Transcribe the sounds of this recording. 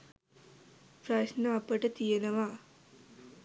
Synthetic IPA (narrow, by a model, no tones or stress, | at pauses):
pɾɐɕnɐːpəʈɐt̪ijenɐʋa